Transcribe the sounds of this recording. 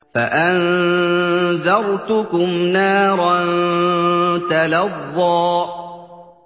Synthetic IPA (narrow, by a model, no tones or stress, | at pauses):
faʔan | ðɑɾˤt̪ʊkʊmnaːɾˤɑn | t̪alɑðːɑː